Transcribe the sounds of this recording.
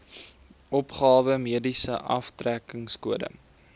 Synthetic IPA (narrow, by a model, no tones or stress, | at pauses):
ʔɔpχɑːvəmiədisəʔɐftrækəŋskuədə̰